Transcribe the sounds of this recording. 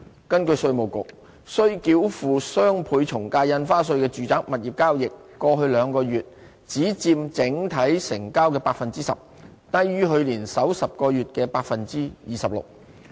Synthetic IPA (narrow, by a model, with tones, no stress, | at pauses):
kɐ˥nkɵ˧ɥsɵ˧ɥmo˨˩wkʊ̰˨k̚ | sɵ˥ɥkiː˧wfuː˨˩sœː˥ŋpʰuː˨˧jt͡sʰʊ˨˩ŋkaː˧jɐ˧nfaː˥s̬ɵ˧ɥkɛː˧t͡ʃyː˨t͡saː˨˥k̚mɐ˨t̚jiː˨p̚kaː˥wjɪ˨kːɔː˧ɦɵ˧ɥlœː˨˧ŋkɔː˧ɥyː˨t̚ | t͡siː˨˥t͡siː˧mt͡sɪ˨˥ŋt̪ʰɐ˨˥jsɪ˨˩ŋkaː˥wkɛː˧paː˧k̚fɐ˨nt͡siː˥sɐ̰˨p̚ | t̪ɐ˥jɥyː˥ɦɵ˨˧ɥliː˨˩nsɐ˨˥wsɐ˨p̚kɔː˧jɥyː˨t̚kɛː˧paː˧k̚fɐ˨nt͡siː˥jiː˨sɐ˨p̚lʊ̰˨k̚